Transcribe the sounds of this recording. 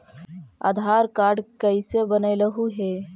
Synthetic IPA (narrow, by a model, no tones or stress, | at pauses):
a̰ːd̪ʱaːɾkaːɾɖkəɪsebənələɦuɦeː